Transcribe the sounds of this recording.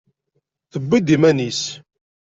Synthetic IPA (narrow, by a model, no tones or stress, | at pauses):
θəbːid̪imænis